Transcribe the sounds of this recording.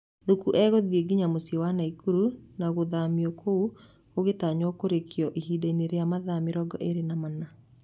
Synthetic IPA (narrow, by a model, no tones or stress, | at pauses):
ðukuʔɛɣoðieɡiɲamosjewanaikuɾunaɣoðamiɔkʰou | oɣetaɲwɔkoɾekiɔʔiɦiːdaineɾeamaðamiɾɔɡɔ̰ʔeɾenamana